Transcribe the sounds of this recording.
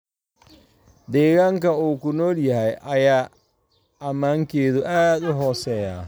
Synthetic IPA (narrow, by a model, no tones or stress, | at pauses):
d̪ɛːɣaːŋkɐuːkʊnɔːljɐɦɛjʔɐjaː | ɐmaːŋkʰɛːðʊʔaːd̪ʊɦɔːsɛːja̰ː